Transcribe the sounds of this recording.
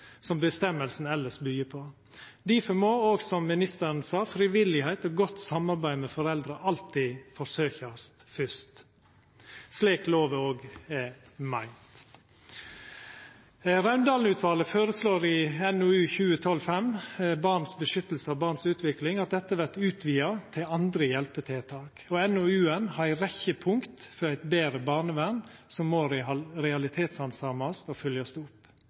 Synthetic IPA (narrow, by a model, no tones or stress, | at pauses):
sɔmbəst̪ɛmːəlsn̩ɛləʂbyːəpʰɔ | d̪ɪfɔmoːoːɡsɔmːɪnɪst̪əɾnsɑːfɾɪʋɪlɪhæɪt̪ɔɡɔt̪sɑmɑɾbæɪmɛfɔɾɛld̪ɾəʔɑlt̪ifɔsøːçɑst̪fʏst̪ | sliːkloːʋəoːɡɛ | mæɪnt̪ | ɾɑʉnd̪ɑːln̩ʉːt̪ʰʋɑːləfoːɾəsloːɾɪɛnoːʉːçʉːət̪ʰɔlfɛmbɑːʁnsbəʃʏt̪l̩səɑʋbɑːʁnsʉːt̪ʰʋɪklɪŋɑt̪̚d̪ɛt̪ːəʋæt̪ʉːt̪ʰʋiːɑt̪ʰɪlɑnd̪ɾəjɛlpət̪ʰɛːt̪ʰɑːkɔɛnoːʉːənhɑɾæɪɾɛçəpʰʊŋkt̪fɔɾæɪt̪beːɾəbɑːʁnəʋænsɔmːoːɾɪɑɾɛɑlɪt̪ʰeːt̪sɑnsɑmɑst̪ofœljɑst̪ʊp